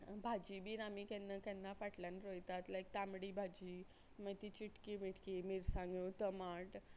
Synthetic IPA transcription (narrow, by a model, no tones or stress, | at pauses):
bʱad͡ʑibiːɾamikɛnːakɛ̃nːafaʈlãnɾojt̪at̪lajk̚t̪amɽibʱad͡ʑiː | mət̪it͡ɕiʈkimiʈkimiɾsãŋɡot̪əmaʈ